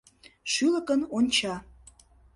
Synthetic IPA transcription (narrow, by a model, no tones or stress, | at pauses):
ʃyləkənonʲt͡ɕɑ